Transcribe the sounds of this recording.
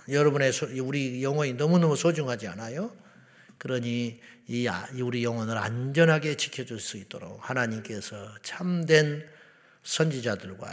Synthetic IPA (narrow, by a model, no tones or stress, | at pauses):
jʌɾʌbune̞sʰouɾijʌŋwʌɲinʌmunʌmusʰod͡ʑuŋɦad͡ʑia̰najo | kɯɾʌɲiː | auɾijʌŋwʌnɯɾa̰ɲd͡ʑʌnɦaɡe̞t͡ɕʰi̥kʰjʌd͡ʑuɭs͈uit͈oɾo̰k̚hanaɲimk͈e̞sʰʌt͡ɕʰamdwe̞n | sʰʌnd͡ʑid͡ʑadɯɭɡwa̰